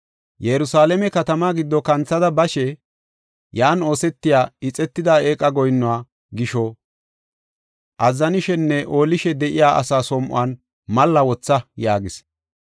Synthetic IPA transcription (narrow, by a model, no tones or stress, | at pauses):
jɛɾʊsaːlɛmɛkɐt̪ɐmaːɡɪd̪ːɔkɐnt͡sːɐd̪ɐbɐʃɛ | jaːno̞ːsɛt̪ːɪjaːɪt͡sʼɛt̪ːɪd̪aːe̞ːkʼːɐɡɔjnːɔwaː | ɡɪʃɔ | ʔɐzːɐnɪʃɛnːɛʔo̞ːlɪʃɛd̪ɛʔɪjaːʔɐ̰saːsɔmʔʊ̰aːn | mɐlːɐwɔt͡sːɐjaːɡɪs